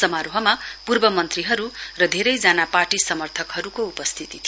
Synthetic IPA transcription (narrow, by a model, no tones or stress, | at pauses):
sʌmaɾoɦʌmapurbʌmʌnt̪riɦʌɾurʌd̪ʱeɾʌjd͡zanaparʈisʌmʌrt̪ʰʌkɦʌɾukoupʌst̪ʰit̪it̪ʰi